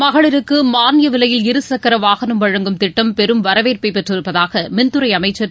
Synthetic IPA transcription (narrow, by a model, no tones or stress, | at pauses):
mɐɣɐɭɪɾɯkːɯmaːnjɐʋɪlɐjɪlɪɾɯsɐkːɐɾɐʋaːɣɐnɐmʋɐɻɐŋɡɯmt̪ɪʈːɐmpɛɾɯmʋɐɾɐʋeːɾpɐɪpɛʈrɪɾɯpːɐðaːɣɐmɛnd̪ɯɾɐɪɐmɐɪt͡ʃːɐɾ